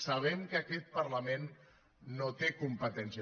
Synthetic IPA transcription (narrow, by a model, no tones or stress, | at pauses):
saβ̞ɛmkəːkɛt̪̚pɐɾləmenː | ot̪ekumpət̪ɛnsə